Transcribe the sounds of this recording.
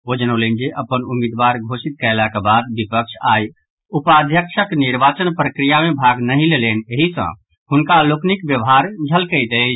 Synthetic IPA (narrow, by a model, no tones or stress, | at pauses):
od͡ʒənəlend͡ʒeʔəpənumid̪ʋaɾɡʱosit̪̚kəlakebad̪̚bipəkʃʰa̰j | upad̪ʱjəkʃʰəkniɾbat͡ʃənpɾəkɾijamebʱaɡnəɦĩleleneɦisə̰̃ | hunkaloknikbjəʋɦaɾd͡ʒʱəlkəjt̪e